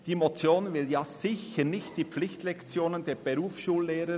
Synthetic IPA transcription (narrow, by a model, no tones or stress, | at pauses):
d̥iːmot͡sjoːnvɪljaːsɪçənɪçt̚d̥iːplɪçtlɛkt͡sjoːnəndeːb̥eɾuːfʃuːlːeːɾə